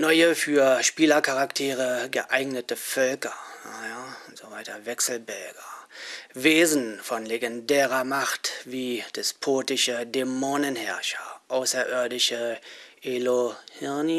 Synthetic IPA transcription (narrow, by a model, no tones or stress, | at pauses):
nɔʏəfyːɐʃpiːlɐkʰaʁaktʰeːʁəɡəʔaɪɡnətəfœlkɐjaʊntz̥ovaɪtɐvɛksl̩bɛlɡɐ | veːzn̩fɔnleɡɛndɛːʁɐmaχtviːd̥ɛspʰoːtɪʃədemoːnənhɛɐʃɐʔaʊsɐʔʏɐdɪʃəʔelohɪni